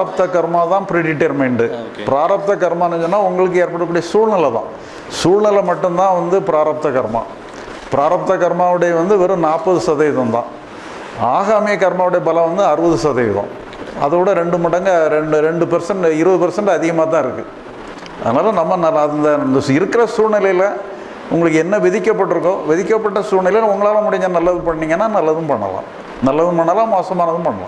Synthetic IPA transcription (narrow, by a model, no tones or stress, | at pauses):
ɐp̚t̪ɐkɐɾmaːt̪ãːpɾɪɖɪʈːeɾmeːɳɖɯ | pɪɾaːɾɐp̚t̪ɐkɐɾmaːnːɯɲd͡ʒɯnːaːʊŋɡɐɭɯk̬ːɯeːɾpɐɽɯkːɽijɐsuːɻnɐlɐt̪ã̰ː | suːɻnɐlɐmɐʈːɯmt̪ãːʋɐnd̪ɯpɪɾaːɾɐp̚t̪ɐkɐɾma̰ː | pɪɾaːɾɐp̚t̪ɐkɐɾmaːʋɪɽɐjɐʋɐnd̪ɯʋɛɾɯnaːpːɐðɯsɐðɐjðɐ̃nt̪ã̰ː | aːɣaːmɪjɐkɐɾmaːʋɪɽɐjɐbɐlɐ̃ʋɐnd̪ɯɐɾɯʋɐðɯsɐðɐjðõ̰ː | ɐ̰ðɯɽɐɾɛɳɖɯmɐɽɐŋɡɐɾɛɳɖɯɾɛɳɖɯpɛɾsɐɳɖɪɾɯʋɐðɯpɐɾsɐɳɖɐðɪɣɐmaːt̪ãːɪɾɯkːɯ | ɐ̰ðɐnaːlɐnɐmːɐnɐlɐɐnd̪ɐnd̪ɪɾɯkːɪɾɐsuːɾnɪlɐjɪlɐ | ʊŋɡɐɭɯkːɯɛnːɐʋɪðɪkːɐpːɐʈːɯɾɯk̬ːõːʋɪðɪkːɐpːɐʈːɐsuːɾnɪlɐjlɐʊŋɡɐɭaːlɐ̃mʊɽɪŋɡɐnɐlːɐðɯmpɐɳːiːŋɡɐnːaːnɐlːɐðɯmpɐɳːɐ̰lã̰ː | nɐlːɐðɯ̃mpɐɳːɐlãːmoːsɐmaːnɐðɯmpɐɳːɐlã̰